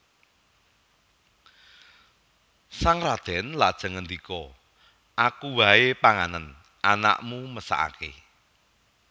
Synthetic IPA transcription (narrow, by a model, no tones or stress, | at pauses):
saŋrad̪̥ɛ̤nlad̥ʒ̥ə̤ŋənd̪ikɔ | ʔakuwaepaŋanən | ʔana̰ʔmuməsa̰ʔa̰kḛ